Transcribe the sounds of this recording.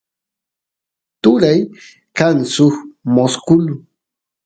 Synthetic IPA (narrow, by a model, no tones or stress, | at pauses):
t̪ʊɾaj | kansʊxmoskʊlʊ